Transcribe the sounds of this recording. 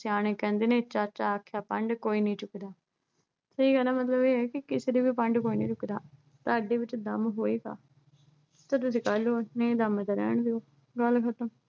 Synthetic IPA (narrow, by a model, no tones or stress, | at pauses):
siaːɽ̃eːkɛ̃ːnd̪eːnẽːt͡ʃat͡ʃaːkʰjaːpəɳɖkoːiːnəĩːt͡ʃʊkd̪aː | səiːɡəlaːmət̪ləbeːɛːkɪkɪsɾiːbiːpəɳɖkoːiːnə̃ːt͡ʃʊkd̪aː | t̪aːɖeːʋɪt͡ʃd̪əmɦoːiːka̰ː | t̪aːt̪ʊs̬ĩːkəloːnə̃ĩːd̪əmt̪aɾɛ̰ːɳd̪eoː | ɡəlkʰət̪əm